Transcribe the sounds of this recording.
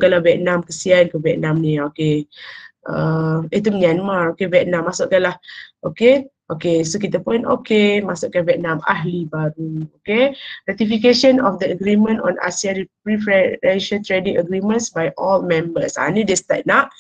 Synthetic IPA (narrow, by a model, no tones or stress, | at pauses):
kalavɛt̪̚nãmkəsiankəvɛt̪̚nãmnĩoke | ʔəit̪umɲanmaɹokevjɛt̪̚nãmːasʊʔkalahʔokeʔokesokit̪apʊno̰kemasʊʔkavjɛt̪̚nãma̰ɦlibaɾuokerat̪ifik̬eʃə̃nɔfdəəɡɾimə̃ntɔ̰̃nʔa̰siaɾippɹifɾɛnʃat̪ɾedĩŋəɡɾimə̃nsbajʔɔlmɛ̃mbəsa̰nĩdest̪at̚naʔ